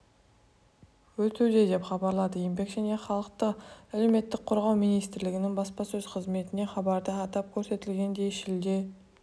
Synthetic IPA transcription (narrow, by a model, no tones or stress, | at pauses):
wɵt̪ewd̪e̞d̪e̞pχɑbɑɾlˠɑd̪əjembe̞kʒæne̞χɑlˠəq̚t̪əæle̞wme̞t̪ːɪk̚qʰʊɾʁɑwmijnijst̪ɪɾlɪɡʲɪnɪŋbɑspɑsɵz̥qʰəzme̞t̪ɪne̞χɑbɑɾd̪əɑt̪ɑp̚kʲʰɵɾse̞t̪ɪlɡʲe̞nd̪e̞ʃɪld̪e̞